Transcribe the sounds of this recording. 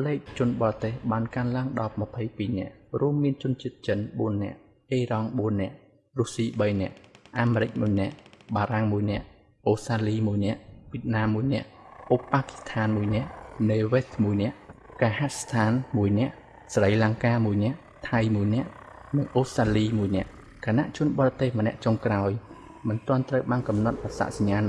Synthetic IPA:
lɛːk̚t͡ɕʊ̆ənɓɑːrt̪eːhɓaːnkaənlaəŋɗɑp̚mə̆pʰəjpiːnɛ̆əʔruəmːiənt͡ɕʊ̆ənt͡ɕiət̪̚t͡ɕənɓuənːɛ̆əʔ | ʔeːrɑŋɓuənːɛ̆əʔ | ruəsiːɓəjnɛ̆əʔʔaːmeɾɨc̚muəjnɛ̆əʔɓaːɾaŋmuəjnɛ̆əʔ | ʔoːsraːliːmuəjnɛ̆əʔʋiət̪̚naːmːuəjnɛ̆əʔʔopːaːki̥st̪ʰaːnmuəjnɛ̆əʔneːʋet̪ʰmuəjnɛ̆əʔ | kaːɦast̪ʰaːnmuəjnɛ̆əʔ | sarəjlaŋkaːmuəjnɛ̆əʔ | t̪ʰajmuəjnɛ̆əʔ | nɨŋʔoːst̪raːliːmuəjnɛ̆əʔ | kʰanaʔt͡ɕʊ̆ənɓorɑt̪eːhmə̆nɛ̆əʔt͡ɕoŋkraɔj | mɨnt̪ɔ̆ənt̪rəwɓaːnkɑmnɑt̪̚ʔasa̰ːʔsaɲːaːn

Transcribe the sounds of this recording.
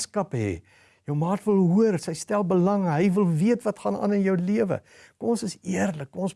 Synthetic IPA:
skɐpɦɛ̰ː | jəwmɑːtvəlˠɦuərsəjstælˠbəlɐŋɦəjvəlˠviətvɐtχɑːnɑ̰ːnənjœwliəvə̰ | kɔmnsəsiərləkːɔmɔns

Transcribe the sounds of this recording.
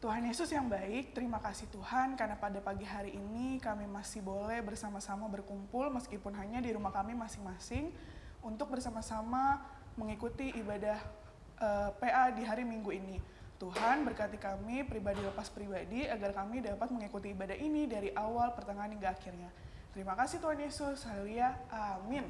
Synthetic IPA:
t̪uɦanjesʊsjaŋbaɪk̚t̪əɾimakasɪht̪uhankarnapadapaɡiɦaɾiʔinikamimasibolɛhbərsamasamabərkumpʊlməskipʊnɦaɲadiɾumahkamimasɪŋmasɪŋ | unt̪ʊk̚bərsamasama | məŋikut̪iʔːbadah | ʔəpeʔadiɦaɾimiŋɡuini | t̪uɦanbərkat̪ikamipɾibadiləpaspɾibadiaɡarkamidapat̪̚məŋikut̪iːbadaɦinidaɾiʔawalpərt̪aŋaniŋɡaːkirɲa | t̪əɾimakasiht̪uɦanesʊrsaliaʔamɪn

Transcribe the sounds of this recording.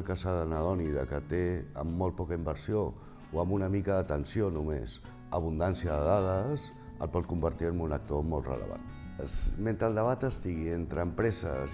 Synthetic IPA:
lˠkəsaðənəðɔniðəkət̪eəmːɔlt̪̚pɔkəimbəɾsio | oəmunəmikəðət̪ənsijonumḛs | əβ̞und̪ansjəðəðað̞əs | ə̰lˠpɔt̪̚kumbəɾt̪iəmunək̚t̪omɔlˠt̪rə̰lə̰βa̰n | sment̪ɾəlˠd̪əβ̞at̪əst̪iɣient̪ɾəːmpɾɛzə̰s

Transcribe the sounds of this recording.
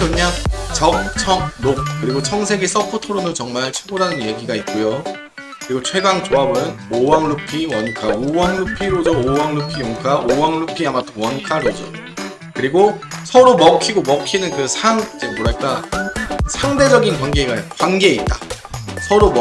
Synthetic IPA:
oɲat͡ɕʌŋ̚t͡ɕʰʌŋ̚nok̚k͈ɯɾiɡot͡ɕʰʌŋsʰe̞ɡis͈ʌpʰotʰoɾonot͡ɕʌŋmaɭt͡ɕʰuɡodanɯnje̞ɡiɡait̚k͈ujo | kkɯɾiɡot͡ɕʰwe̞ɡaŋt͡ɕoabɯnowaŋlupʰiwʌnkʰaowaŋɭupʰiɾod͡ʑʌowaŋɭupʰijoŋkʰaʔowaŋɭupʰiamadowʌnkʰaɾod͡ʑʌ | kɯɾiɡosʰʌɾomʌkʰiɡomʌkʰinɯnkɯsʰamid͡ʑemoɾaɭk͈a | sʰaŋde̞d͡ʑʌɡinkwaŋɡe̞ɡakwaŋɡe̞it̚t͈a | sʰʌɾom

